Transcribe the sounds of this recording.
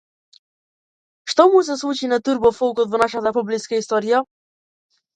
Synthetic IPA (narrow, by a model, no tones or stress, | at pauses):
ʃt̪ɔmus̬ɛslˠut͡ʃinat̪uɾbɔfɔlˠkɔt̪vɔnaʃat̪apɔbliskaist̪ɔɾija